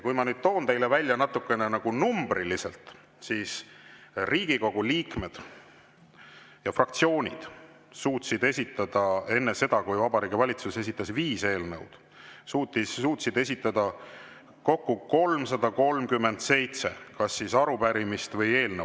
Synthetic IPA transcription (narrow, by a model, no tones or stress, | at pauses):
kujmɑnyːd̪̥̚t̪o̞ːnt̪e̞jlevælʲːjɑnɑt̪ːˑukːˑe̞nenɑɡ̥unumb̥riliselt̪ | siːs | riːɡ̥iko̞ɡ̥uliːkme̞d̪̥ | jɑfrɑkt̪sio̞ːnʲid̪̥ | suːt̪sid̪e̞sʲit̪ːˑɑd̪̥ɑe̞nːese̞d̪̥ɑkujvɑbɑɾiːɡ̥ivɑlʲit̪suse̞sit̪ːˑɑsviːse̞ːlnɤ̰wd̪̥ | suːt̪ːˑisuːt̪sid̪e̞sʲit̪ˑːɑd̪̥ɑ | ko̞kːuko̞lmsɑd̪̥ɑko̞lmkymːe̞nd̪̥se̞jt̪se̞̰kɑsːisɑɾupæɾimist̪vɤje̞ːlne